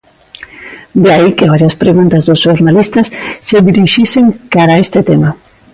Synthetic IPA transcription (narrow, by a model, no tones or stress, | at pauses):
d̪eaikeβaɾjaspɾeɣunt̪azðʊsʃoɾnalist̪asːeðiɾiʃiseŋkaɾaest̪ɪt̪ema